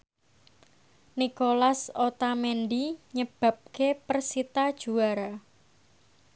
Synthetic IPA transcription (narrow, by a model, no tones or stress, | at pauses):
nikolasot̪amɛnɖiɲəb̥a̤p̚kepərsit̪ad̥ʒ̥ṳaɾa